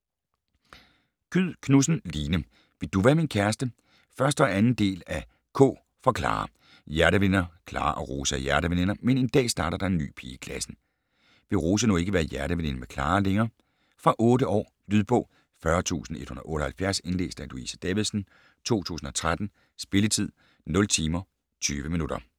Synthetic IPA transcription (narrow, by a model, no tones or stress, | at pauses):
kʰyð̰ˠkʰnusn̩liːnə | ʋe̝d̥uʋæːɐminkʰæɐsd̥ə | fɶɐsd̥ɒ̽ænn̩d̥e̝̰ːlæ | kʰɔ̰̽ː | fɒ̽kʰlɑ̰̈ː | jæɐɾəʋenɐkʰlɑ̰̈ːʔɒ̽ʁoːsɐjæɐɾ̥əʋene̝nɐmene̝nd̥ɛ̰ːsd̥ɑ̈ːɾ̥ɐd̥ɑ̈e̝nːy̰ːpʰiːkʰlæsn̩ | ʋ̥e̝ʁo̝ːs̬ənoe̝ɡəʋæɐjæɐɾəʋene̝nɐmekʰlɑ̰̈ːleŋɐː | fʁɑ̈ʔɔːɾəʔɒ̰ː | lyðˠb̥ɔ̽ː | fɶɐt͡sʰṵːsn̩e̝d̥hunðˠʔɔ̽ːɾəhælfjæɐse̝nle̝̰ːsd̥æluḭsəd̥ɛʋðˠsn̩ | t͡sʰo̝̰ːt͡sʰṵːsn̩ɒ̽t͡sʰʁad̥n̩ | sb̥e̝lət͡sʰið̰ˠ | nɔ̽lt͡sʰiːmɐ | t͡sʰyːʋəminud̥ɐ